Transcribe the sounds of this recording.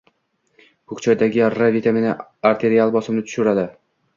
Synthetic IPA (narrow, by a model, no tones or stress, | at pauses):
kʊkt͡ʃʰaɾd̪aɡʲɪɾavit̪ʰamenɪaɾt̪ʰe̞ɾialˠbɒsɪmnɪt̪ʰʊ̥ʃʊɾad̪ɪ